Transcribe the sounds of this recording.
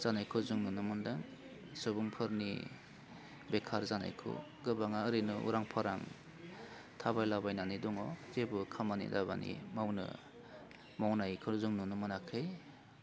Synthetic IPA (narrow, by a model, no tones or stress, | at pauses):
zanajkʰɔzuŋnunɯmɯndɯŋ | sɯbuŋpʰɯɾnḭ | bekʰaɾzana̰jkʰɯ̰ | ɡɯbaŋaɯɾɯnɯʔṵɾaŋpʰaɾaŋ | tʰabajlabajnanidɔŋɔzebɯkʰamanḭdabanḭmawnɯ̰ | mɔwnajkʰɯzuŋnunɯmɯnakʰɯj